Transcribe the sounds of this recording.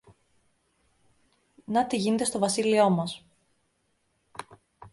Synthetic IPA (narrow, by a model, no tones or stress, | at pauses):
nɐt̪iʝine̞t̪est̪o̞vɐsilio̞mɐs